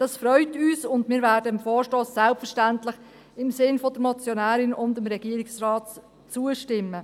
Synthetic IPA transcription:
d̥ɑsfɾœʏtyːsʊndmɪːɾvæːɾdəɪmfɔːɾʃtoːsːɛlpfəʃtæntlɪχ | ɪmsɪnfodəɾmɔt͡sjonæːɾɪnʊndɪmɾɛɡ̥iəɾɪksrɑːt | t͡suəʃtɪmːə

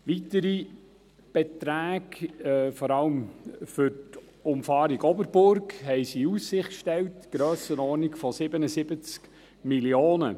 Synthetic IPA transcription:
ʋitəɾi | b̥ɛtɾæːɡfɔɾɑləmfʏɾt | ʊmfɑːɾiɡɔbəɾbʊɾkhɛɪsiusːɪχkʃtɛwtɡ̥ɾœːsənɔːnikfɔsɪbənəsɪbət͡sk | miljoːnə̰

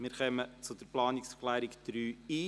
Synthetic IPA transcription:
mɪːɾχœmət͡sʊd̥̪əɾplɑːnɪksklæːɾikd̥ɾyːiː

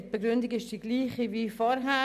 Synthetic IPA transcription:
tb̥əɡɾʏndɪɡɪʃd̥iːɡ̥liːχiviːfɔɾɦæ

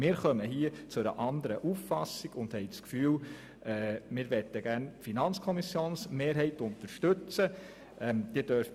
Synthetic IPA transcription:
mɪːɾχœməɦiət͡sʊɾə̰ʔɑnd̪əɾəʔufːɑsiɡ̥ʊnd̥̪hɛɪt͡skfyːl | ʔɛːmɪɾʋɛt̪ːəɡæɾnfinɑnt͡skʰɔmisjoːnsmeːɾɦɛɪt̪ʊnt̪əɾʃtɵt͡sə | ɛd̪̥iːd̥œɾf

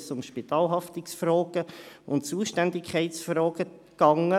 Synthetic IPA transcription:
sʊmʃpit̪ɑːlɦɑft̪ɪksfrɔːɡ̥əʊnt͡suːəʃtændɪkʰχɛɪt̪sfɾɔːɡ̥ə | ɡ̥ɑŋə

